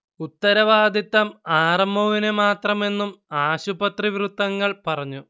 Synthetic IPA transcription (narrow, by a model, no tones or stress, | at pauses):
ut̪ːɐɾɐʋaːd̪ʱit̪ːɐmaːrɐmbʱoʋinemaːt̪rɐme̞nːumaːɕubɐt̪riʋrut̪ːɐŋːɐɭpɐrɐɲːu